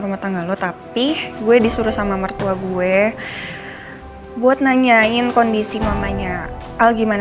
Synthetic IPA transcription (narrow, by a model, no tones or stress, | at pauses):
ɾumaht̪aŋɡalot̪apiɡuɛdisuɾusamamərt̪uaɡuɛ | buat̪̚naɲaɪnkondisimamaɲaalɡiman